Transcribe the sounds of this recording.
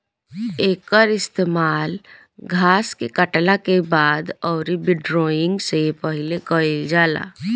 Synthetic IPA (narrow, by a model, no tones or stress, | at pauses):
eːkəɾɪst̪eːmaːl | ɡʱaːskekəʈlakebaːd̪ɔːɾibɪɖɾɔːɪ̃ŋɡsepəɦɪlekəed͡ʒaːla̰ː